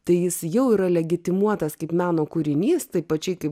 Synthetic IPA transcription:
t̪ɐɪjɪsjɛʊiːɾɐlʲɛɡʲɪt̪ʲɪmuɔt̪ɐskɐɪpmʲæːnoːkʊɾʲɪnʲiːst̪ɐɪpɐt͡ʃʲɛɪkɐɪp

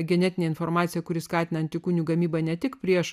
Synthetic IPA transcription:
ɡʲɛnʲɛt̪ʲɪnʲeːɪnfɔɾmɑːt̪sʲɪjɛkʊɾʲɪskɑːt̪ʲɪnɐnt̪ʲɪkuːnʲuːɡɐmʲiːbɐnʲɛt̪ʲɪkpʲɾʲiɛʃ

